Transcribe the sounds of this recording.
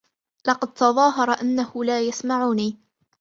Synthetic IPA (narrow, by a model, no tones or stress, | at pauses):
lɑqɑd̪̚t̪ɑðˤɑːɦɑɾˤɑʔanːahʊlaːjasmaʕuːniː